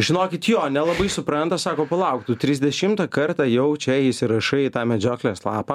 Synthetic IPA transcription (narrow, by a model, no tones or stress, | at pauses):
ʒʲɪnoːkʲɪt̪joːnʲɛlˠɐbɐɪsʊpɾɐnt̪ɐsɑːkoːpɐlˠɐʊk̚t̪ut̪ʲɾʲɪzʲd̪ʲɛʃʲɪmt̪ɐkɐrt̪ɑjɛʊt͡ʃʲɛɪsʲɪɾɐʃɐɪt̪ɑːmʲɛd͡ʒʲoːkʲlʲeslˠɑ̰ːpɐ